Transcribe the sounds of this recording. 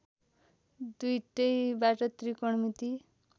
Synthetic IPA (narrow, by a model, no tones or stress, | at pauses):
d̪ujʈejbaʈʌt̪ɾikɔɳmit̪i